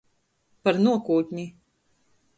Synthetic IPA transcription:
paɾnuɔkuːt̪ʲɲʲi

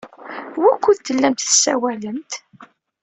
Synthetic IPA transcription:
wækʷːuðt̪ːəlːæmt̪θə̥sːæwæləmt̪

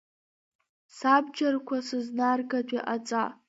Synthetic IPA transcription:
sabd͡ʒarkʷʰasɨznarɡadʷʼiʔat͡sʼa

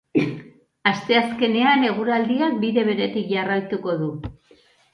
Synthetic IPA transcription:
ast̪e̞aske̞ne̞ane̞ɣ̞uɾald̪iak̚biðe̞β̞e̞ɾe̞t̪ikʝarajt̪uko̞ðu

